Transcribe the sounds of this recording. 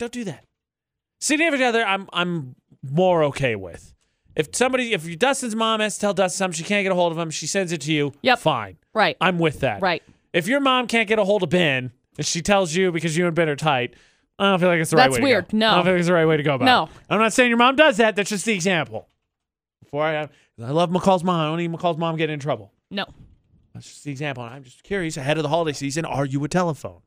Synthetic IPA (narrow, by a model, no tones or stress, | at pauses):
d̥õʊ̃nd̥ɨðæt̚ | siɾɪ̃ɨvəʌðə˞ãɪ̃mã̰ɪ̃mː | ɔɹoʊkʰeɪwɪ̰ð̥ | ʔɨfsʌ̃mbɑɾiɨfjə˞dʌsɨ̃nzmɑ̃mɨstʰɛlˠdʌzsʌ̃mʃikʰæ̃ntɡ̥ɛɾəɦoʊlˠdʌvə̃mʃisɛ̃ndzɨtʰɨjʉjɛfãɪ̃nɹaɪt̚ãɪ̃mwɪðæ̰t̚ɹaɪt̚ | ɨfjə˞mɑ̃mkʰæ̃ntɡ̥ɛɾəɦoʊlˠdʌbɛ̃n | ɨ̃nʃitʰɛlˠzjɨbɨkʌzjɨɨ̃nbɨ̃nə˞tʰaɪt̚ | aɪdõʊ̃filaɪkðɨtsðəɹɪt̚weɪwɪɹd̚nodõʊ̃nfilˠaɪkɨtsðəɹaɪt̚weɪɾɨɡoʊəbaʊoʊãɪ̃mnətseɪɪ̃ŋjə˞mɑ̃mdʌzðæt̪̚ðætsd̥ʒ̥ʌs̚ðiɨɡzæ̃mpl̩ˠ | b̥əfɔɹaɪɨv | kʰʌzaɪlʌvməkʰɔlˠzmɑ̃madõʊ̃niməkʰɔlˠzmɑ̃mɡɛɾɪ̃ŋɨ̃ntɹ̥ʌbl̩ˠ | noʊ | ðætsd̥ʒ̥ʌsðiɨɡzæ̃mpl̩ˠə̃ãɪ̃md͡ʒʌskʰj̥ʊɹiɨsɨɦɛɾʌvðəɦɑlˠəɾeɪsizɨ̃nə˞jɨɨtʰɛlˠəfõ̰ʊ̃n